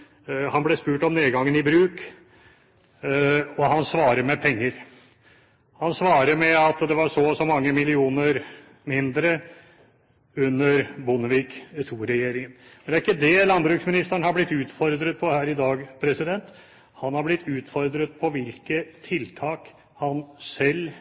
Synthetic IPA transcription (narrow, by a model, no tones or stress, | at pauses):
hɑnblɛspʉːʈɔmneːɡɑŋːənɪbɾʉːk | ɔhɑnsʋɑːɾəɾmɛpʰɛŋːəɾ | hɑnsʋɑːɾəɾmɛɑt̪d̪ɛʋɑʂɔsɔmɑŋːəmɪlɪuːnəɾ | mɪnd̪ɾə | ʉnːəɾbʊnəʋikt̪ʰuːɾɛjeːɾɪŋənmɛnd̪æɾɪkːəd̪ɛlɑnbɾʉːksmɪnɪst̪æɳhɑɾblɪt̪ːʉːt̪fɔɾd̪ɾət̪̚pʰɔhæːɾɪd̪ɑːɡpʰɾɛsɪd̪ɛnt̪ | hɑnhɑɾblɪt̪ʰːʉːt̪fɔɾd̪ɾət̪̚pʰɔʋɪlkət̪ʰɪlt̪ʰɑːk | hɑnsɛl